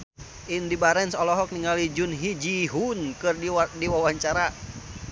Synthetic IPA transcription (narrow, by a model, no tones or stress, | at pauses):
ʔindibaɾɛnsɔlɔɦɔk̚niŋalid͡ʒunɦid͡ʒiɦunkɨrdiwawaɲt͡ʃaɾa